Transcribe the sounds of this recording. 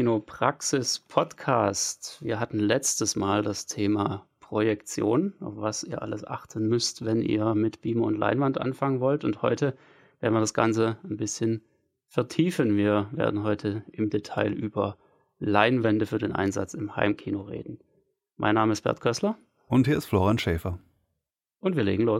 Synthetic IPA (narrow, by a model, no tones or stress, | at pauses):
iːnopʁ̥aksɪspʰɔtkʰaːstviːɐɦatn̩lɛt͡stəsmaːldastʰeːmapʁ̥ojɛkt͡sjo̰ːnʔaʊfv̥asiːɐʔa̰ləsʔa̰χtʰən̩mʏstvɛnʔḭːɐmɪtb̥iːməʊ̰ntlʔa̰ɪnvantʔa̰nfaŋənvɔltʊnthɔʏtʰə | v̥eːɐdn̩viːɐdasɡ̥ant͡sənbɪsçən | fɛɐtʰiːfənviːɐvḛːɐdn̩ɦɔʏtʰəʔɪmdetʰaɪlʔyːbɐ | laɪnvɛndəfyːɐdeːnʔa̰ɪnza̰t͡sɪmha̰ɪmkʰiːnoʁḛːdn̩ | mʔa̰ɪnːaːməɪst̚b̥ɛ̰ɐtkʰœslɐ | ʔʊnthiːɐɪstfloːʁianʃɛːfɐ | ʔʊntv̥iːɐlḛːɡŋ̩loː